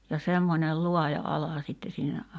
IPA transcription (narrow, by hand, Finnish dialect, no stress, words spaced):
jɑ semːonʲel luɑjɑ ɑlɑ sitːe siːnæ